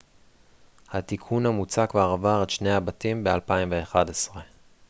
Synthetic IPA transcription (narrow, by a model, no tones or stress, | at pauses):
hat̪ikʰunhamut͡sakveaʁavaʁetʃnehabatimbe̞alpaimveːχadesʁe